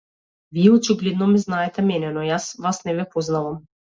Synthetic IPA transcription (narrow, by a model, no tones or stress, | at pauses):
viɛɔt͡ʃiɡlɛd̪nɔmiznaɛt̪ɛmɛnɛnɔjasvasnɛvɛpɔznavam